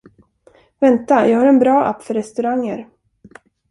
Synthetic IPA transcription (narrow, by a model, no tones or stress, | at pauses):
vɛnt̪ajʔɑːɡhaːɾɛnbɾɑːʔa̰pːfœɾɛst̪ɵɾaŋːəɾ